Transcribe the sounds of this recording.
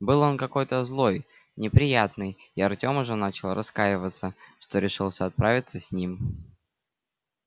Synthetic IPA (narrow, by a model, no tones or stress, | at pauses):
bɨlˠo̞nkɐko̞jt̪əzlˠo̞j | nʲɪpɾʲɪjat̪nɨjɪɐrtʲo̞mʊʐɛnat͡ɕɪlˠɾʔɐskajɪvət̪səʂt̪o̞ɾʲɪʂɨlˠsʲəɐt̪̚pɾavʲɪt̪səsʲnʲim